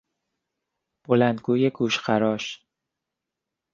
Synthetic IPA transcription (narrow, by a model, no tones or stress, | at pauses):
b̥olænd̪ɡuːjeɡuːʃɢæɾɒːʃ